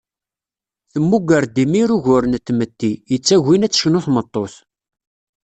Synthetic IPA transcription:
θəmːuɡəɾd̪imiɾuʝʊɾnt̪ːmət̪ːijət͡sːæʝːinæt͡sːçnʊθmət̪ˤːoθ

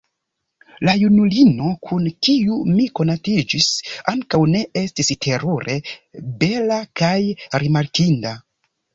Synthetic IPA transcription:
lajunulino̞kʰunkiumiko̞natid͡ʒisaŋkawne̞e̞stistʰe̞ɾuɾʔe̞be̞lakajɾimaɾkinda

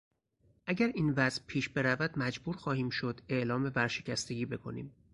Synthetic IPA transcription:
ʔæɟæɾiːnvæzʔpʰiːʃbe̞ɾævæd̪̥mæd͡ʒbuːɾxɒːhiːmʃo̞d̪e̞ʔlɒːmebæɾʃe̞cæst̪e̞ɟiːbe̞kʰo̞̰nḭːm

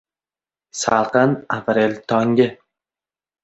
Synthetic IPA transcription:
salˠqɨnapɾelʲt̪ʰɒŋɡʲɪ

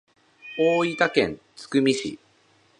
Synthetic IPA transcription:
oːit̪akẽ̞nt͡sɨ̥kɯ̟mʲiɕḭ

